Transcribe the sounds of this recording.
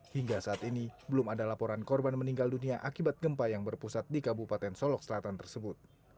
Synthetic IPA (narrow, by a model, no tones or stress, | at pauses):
hiŋɡasaːt̪inibəlʊmadalapoɾankɔrbanməniŋɡalduniaʔakibat̪̚ɡəmpajaŋbərpusat̪̚dikabupat̪ɛnsɔlɔk̚səlat̪ant̪ərsəbʊt̪̚